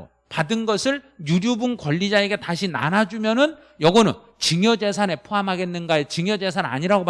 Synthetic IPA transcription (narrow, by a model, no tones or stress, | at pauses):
padɯnɡʌsʰɯɭjuɾjubunkʌʎːid͡ʑae̞ɡe̞taɕʰina̰nad͡ʑumjʌnɯn | jʌɡʌnɯn | t͡ɕɯŋjʌd͡ʑe̞sʰane̞pʰoɦamɦaɡenːɯnɡaet͡ɕɯŋjʌd͡ʑe̞sʰana̰ɲiɾaɡop